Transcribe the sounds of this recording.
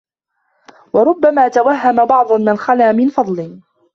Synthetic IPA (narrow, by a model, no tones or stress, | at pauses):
wɑɾˤʊbːamaːt̪awaɦːamabɑʕd̪ˤʊnmɪnxalaːmɪnfɑd̪ˤlɪ